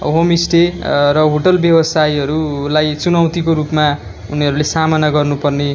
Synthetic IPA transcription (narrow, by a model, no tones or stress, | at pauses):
ɦomisʈerʌɦoʈʌlbjʌbʌsajʌɾulajt͡sunʌwt̪ikoɾupma | uniɦʌɾulesamanaɡʌrnupʌrne